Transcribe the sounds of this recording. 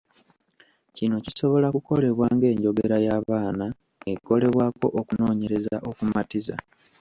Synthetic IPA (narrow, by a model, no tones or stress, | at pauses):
cino̞ciso̞βo̞lakuko̞le̞βwaːŋɡe̞ːɲɟo̞ɡeɾajaːβaːna | eko̞le̞βwaːko̞̰ʔokuno̞ːɲe̞ɾe̞za̰ʔokumatiza̰